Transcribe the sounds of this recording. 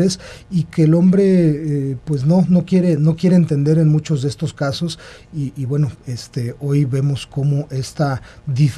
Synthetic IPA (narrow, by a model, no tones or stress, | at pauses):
ɾesike̞ːlo̞mbɾe̞epwe̞zno̞no̞kje̞ɾe̞no̞kje̞ɾeːnt̪e̞nd̪e̞ɾenmũt͡ʃo̞zðe̞est̪o̞skaso̞s | iːβwe̞no̞est̪eo̞jβe̞mo̞sko̞mo̞ʔe̞st̪aðif